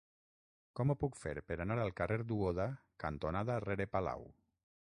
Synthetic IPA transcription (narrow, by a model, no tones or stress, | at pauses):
kɔmopukfḛɾpeɾanaɾalˠkareɾd̪uoðakant̪onaðareɾepala̰w